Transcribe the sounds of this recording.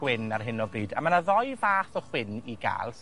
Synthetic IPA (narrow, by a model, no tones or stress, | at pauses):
wɪnarɦɪnɔbiːdamanaðɔjvaːθɔχwɪniɡa̰ːlˠs